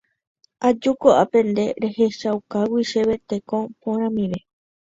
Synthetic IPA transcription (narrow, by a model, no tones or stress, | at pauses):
ad͡ʒukoʔapẽ̞nd̪e̞ɾe̞he̞ʃawkawiʃe̞βe̞t̪e̞kõpõɾ̃ãmĩʋe̞